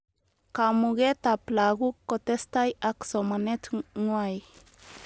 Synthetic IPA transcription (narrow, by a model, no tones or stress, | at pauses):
kamuɡet̪aplaɡukːot̪est̪ajaksomanet̪ŋwaj